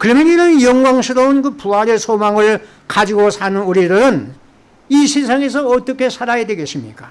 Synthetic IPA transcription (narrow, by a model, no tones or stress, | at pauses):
kɯɾʌmjʌniɾʌnjʌŋɡwaŋsʰiɾounkɯpuaɾesʰomaŋɯɭ | kad͡ʑiɡosʰanɯnuɾidɯɾɯn | isʰes̬ʰaŋe̞s̬ʰʌːt͈ʌkʰe̞sʰaɾajadwe̞ɡe̞ɕʰimɲik͈a